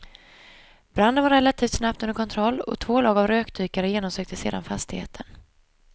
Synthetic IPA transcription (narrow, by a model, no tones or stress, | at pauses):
b̥ɾand̪ənvaɾɛlat̪ʰiːft̪snapt̪ɵnəɾkʰɔnt̪ʰɾɔlːɔ̰t̪ʰvoːlɑːɡavɾøːkd̪ʰyːkaɾəjeːnɔmsøːk̚t̪əsḛːd̪a̰nfast̪ɪhḛːt̪ʰən